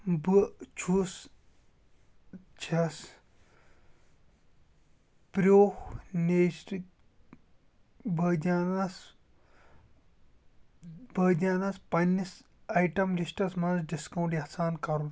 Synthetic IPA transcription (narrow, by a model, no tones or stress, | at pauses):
bɨt͡ʃʰus | t͡ʃʰɐs | pɾoːhneːsɾik | bɐd̪ʲaːnɐs | bɐd̪ʲaːnɐspɐnːis | ɐjʈɐmlisʈɐsmɐnsɖiskɐwɳʈjɐsaːnkɐɾu